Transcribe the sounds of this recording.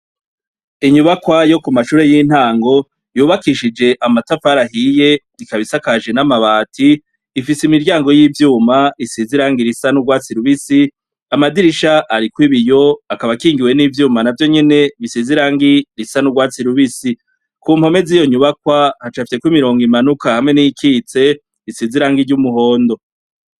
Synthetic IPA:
iɲuβakwajo̞kumaʃuːɾe̞jiːn̥haːŋɡo̞ | juːβakiʃid͡ʒe̞ʔamatafaɾaɦije̞ | ikaβisakaʒe̞namaβaːtʰiː | fisimiɾɟaːŋɡo̞jiːvjuːmaisiziɾaːŋɡiɾisanuɡwaːt͡siɾuβisi | amadiɾiʃaʔaɾikwiβijo̞akaβakiːŋɡiwe̞niːvjuːmanavjo̞ɲe̞ne̞βisiziɾaːŋɡiɾisanuɡwaːt͡siɾuβisi | kuːm̥ho̞me̞ziːjoɲuβak̚wahat͡ʃafisekwimiɾo̞ːŋɡimanukahamŋe̞nikʰiːt͡se̞ | isiziɾaːŋɡiɾɟumuɦo̞ːndo̞

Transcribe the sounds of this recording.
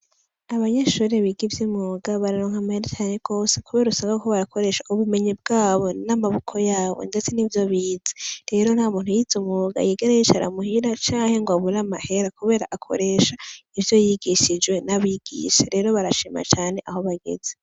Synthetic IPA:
aβaɲe̞ʃuːɾeβiɡivjimuːɡaβaɾaɾoːŋ̥amaheɾet͡ʃaːneɡ̥o̞ːsekuβe̞ːɾausaɡakoβaɾakʰo̞ɾe̞ʃaʔuβume̞ɲib̚ɡaːβo̞namaβukʰo̞jaːβo̰nde̞t͡senivjo̞βiːzeɾe̞ɾo̞nhamuːn̥hujizumuɡa̰jiɡeɾajit͡ʃaɾa̰muhiɾat͡ʃaːŋhe̞ŋɡwaβuɾamahe̞ɾakuβe̞ːɾa̰ʔakʰo̞̰ɾe̞ːʃaivjo̞jiɡiʃid͡ʒɡwe̞naβiɡ̥ḭʃeɾe̞ɾo̞βaɾaʃiːma̰t͡ʃaːne̞ʔaho̞βaɡe̞̰ze

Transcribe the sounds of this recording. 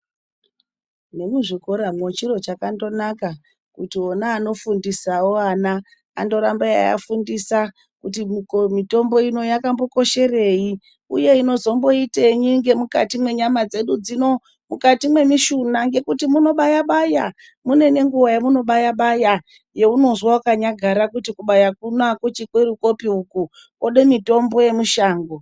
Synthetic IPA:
ne̞muʐiko̞ɾamwot͡ʃiro̞t͡ʃakando̞naka | kutionaːno̞fundisawoana | a̰ndo̞ɾambaja̰ja̰fundisa | kut̬imkomito̞mbo̞ino̞jakambo̞ko̞ʃe̞re̞i | uje̞ino̞zo̞mbo̞iteɲiŋɡe̞muka̰timwe̞ɲamad͡ze̞ɗud͡zino̞ | mukatimwe̞miʃunaŋɡe̞kutimuno̞ɓajaɓaja | mune̞ne̞ŋɡuʋajamuno̞ɓajaɓaja | je̞uno̞zwaukaɲaɡʱaɾakutikuɓajakunakwut͡ʃikweɾuko̞piuku | oɗe̞mito̞mbo̞je̞muʃaːŋɡo

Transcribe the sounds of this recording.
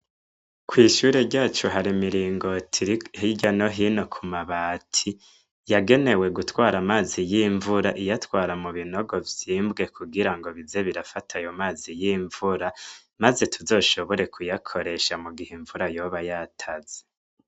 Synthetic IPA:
kwiːʃuːɾe̞ɾɟaːt͡ʃuɦaɾimiɾiːŋɡo̞tʰiɾihiɟanoɦino̞kʰumaβaːtʰi | jaɡe̞ne̞we̞ɡutwaːɾamaːzijiːɱvuɾaʔijatwaːɾamuβino̞ɡo̞vjiːmbɡe̞kuɡiɾaŋɡo̞βize̞βiɾafatʰajomaːzijiːɱvuɾa | maze̞tʰuzo̞ːʃo̞βo̞ɾe̞kʰujakʰo̞ɾe̞ʃamuɡiheɱvuɾajo̞ːβajaːtʰaz̥e̥

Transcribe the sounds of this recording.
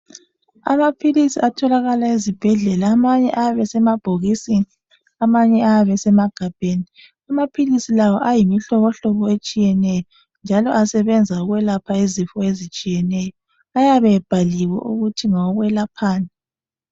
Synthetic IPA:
a̰mapʰilisiʔatʰɔlaɣalaizib̥ʱɛɮɛlaːmaɲɛʔaaβɛsɛmab̥ʱoɣisini | amaɲɛaaβɛsɛmaɡ̥ʱab̥ʱeːni | amapʰilisilawɔʔajimiɬɔβɔɬɔβɔet͡ʃʼijɛnɛjɔ | nd͡ʒʱalɔ̰ʔasɛβɛnd͡zʱauɣwɛlapʰaizifɔezit͡ʃʼijɛnɛjɔ | ajaβɛb̥ʱaliwɛ̰ʔuɣutʰiŋɔɣwɛlapʰaːna

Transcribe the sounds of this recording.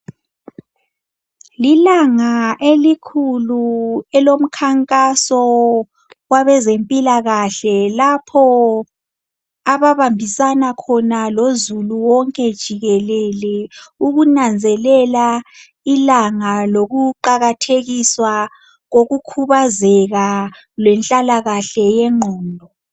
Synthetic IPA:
lilaŋaʔelikʰuluɛlom̩kʰaŋkʼasɔ | ɣwaβɛzempʼilaɣaɬɛlapʰɔ | aβaβambʱisanakʰɔnalozuluwɔŋkʼɛd̥ʒ̥ʱiɣɛlɛlɛuɣunand͡zʱɛlɛla | ilaŋaloɣuǃaɣatʰeɣiswa | ɣoɣukʰuβazɛɣa | lwɛnt͡ɬʼalaɣaɬɛjɛŋ͡ǃʱɔːndʱɔ

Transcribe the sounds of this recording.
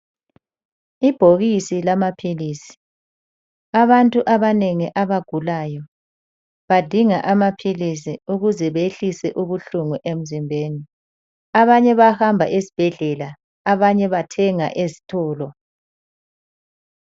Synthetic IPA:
ib̥ʱoɣisilamapʰiliːsi̥ | aβantʼuʔaβaneŋiʔaβaɡ̥ʱulaːjɔ | βad̥ʱiŋaʔamapʰilisiuɣuzɛβeɬisɛʔuβuɬuŋuʔem̩zimbʱeːni | aβaɲɛβahambʱa̰ʔezi̥b̥ʱɛɮɛlaː | βaɲɛβatʰɛŋa̰ʔezi̥tʰɔːlɔ

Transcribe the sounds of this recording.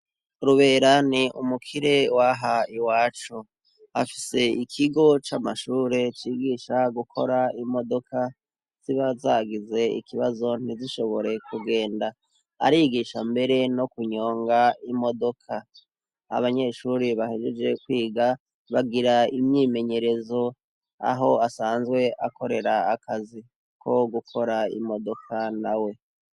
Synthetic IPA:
ɾuβe̞ːɾaniʔumukʰiɾe̞waɦaiwaːt͡ʃo | a̰fi̥se̞ikʰiɡo̞t͡ʃamaʃuːɾe̞t͡ʃiɡiːʃaɡukʰo̞̰ɾaimo̞do̞kʰa | z̥iβazaːɡize̞ḭkʰiβazo̞n̥iziʃo̞βo̞ɾe̞kuɡe̞ːnda | a̰ɾiɡiʃambe̞ɾe̞no̞kuɲo̞ːŋɡaimo̞do̞kʰa | a̰βaɲe̞ʃuɾiβahed͡ʒed͡ʒe̞kwiːɡa | βaɡiɾaimɲiːme̞ɲe̞ɾe̞zo̞ | a̰ɦo̞asaːnzɡwe̞ʔako̞ɾe̞ɾaːkʰazi | kʰo̞ɡukʰo̞ɾaḭmo̞do̞kʰanawe̞

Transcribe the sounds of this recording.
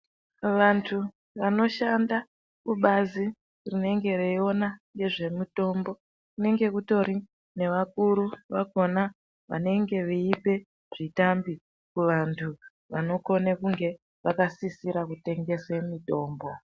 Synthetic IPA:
ʋantʰu | ʋano̞ʃanda | kuɓazi | rine̞ŋɡe̞reio̞naŋɡe̞ʐe̞muto̞ːmbo̞ | kune̞ŋɡe̞kuto̞ɾi | ne̞ʋakuɾuʋaɡʱo̞na | ʋa̰ne̞ŋɡe̞ʋiipe̞ | ʐ̥itambi | kuʋantʰu | ʋano̞ko̞nekuŋɡe̞ | ʋakasisiɾakute̞ŋɡe̞semito̞ːmbo̞

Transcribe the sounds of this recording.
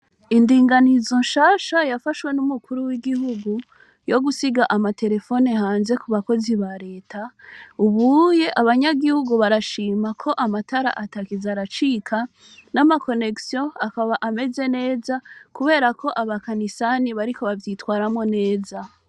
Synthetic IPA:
indiːŋɡanizo̞nʃaːʃajafaʃwe̞numukuɾuwiɡihuɡu | jo̞ɡusiɡaʔamate̞ɾe̞fo̞nehaːnze̞kuβako̞ziβaɾe̞ːtʰauβuje̞ʔaβaɲaɡihuɡuβaɾaʃiːmakʰo̞ʔamataɾa̰ʔatakizaɾat͡ʃikʰa | namako̞ne̞ksjoakaβaʔame̞ze̞ne̞ːzakuβe̞ːɾakʰo̞ʔaβakanisaniβaɾiko̞βavjitwaːɾamŋo̞ne̞ːza

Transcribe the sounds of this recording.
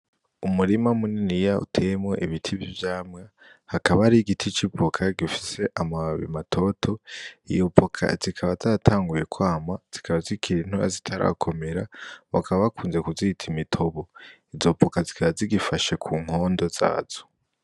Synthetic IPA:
umuɾimamuninijaṵtʰemwḛʔiβitʰiβivjaːmŋa | hakaβaɾiɡitʰit͡ʃipokʰaɡifi̥se̞ʔamaβḭmatʰo̞tʰo̞ḭjopʰokʰa̰zikʰaβazatʰaːŋɡuje̞kwaːmaz̥ikʰaβazikʰiɾin̥hua̰zitʰaɾa̰kʰo̞me̞ɾaβakʰaβaβakʰuːnze̞kuzitʰimitʰo̞βoizo̞pʰokazi̥kʰaβaziɡifaʃekʰuːŋ̥ho̞ːndo̞z̥a̰ːz̥o̥

